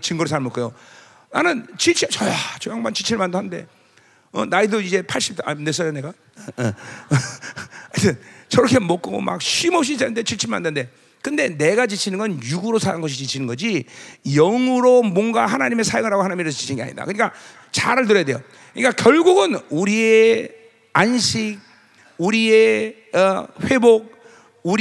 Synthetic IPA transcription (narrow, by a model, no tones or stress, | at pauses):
t͡ɕɯŋɡʌɾos̬ʰaɭmok͈ojo | nanɯnt͡ɕit͡ɕʰit͡ɕʌjat͡ɕojaŋbant͡ɕit͡ɕʰiɭmandɦanɯnde̞̰ | ʌ̰naidoid͡ʑe̞pʰaɭɕ͈i̥p̚t͈ʰane̞s̬͈ajone̞ɡa | atʰent͡ɕʌɾʌkʰe̞mok͈ɯɡo̰ma̰k̚ɕʰimʌp̚ɕ̬͈isanɯndet͡ɕʰiɭt͡ɕʰiɭma̰ndɯnde̞ | kɯnde̞ne̞ɡat͡ɕit͡ɕʰinɯnɡʌnjuɡuɾosʰaɾanɡʌɕ̬ʰit͡ɕit͡ɕʰinɯnɡʌd͡ʑijʌŋuɾomwʌŋɡahanaɲime̞sʰajʌŋiɾaɡoanaɲimiɾɯɭit͡ɕʰi̥t͡ɕʰinɡea̰ɲḭda̰kɯɲik͈a | t͡ɕaɾɯɭt̬ɯɾʌjadejo | kɯɲikakjʌɭɡuɡɯnuɾie | anɕʰik̚ | uɾie̞ | ʌɸwe̞bok̚ | uɾ